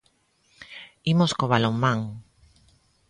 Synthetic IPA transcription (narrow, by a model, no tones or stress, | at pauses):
imoskoβaloŋmãŋ